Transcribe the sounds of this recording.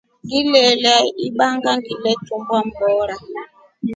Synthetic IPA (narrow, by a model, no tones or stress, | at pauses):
ndilɛlɛiɓaŋɡandilɛtumbam̩bɔːɾa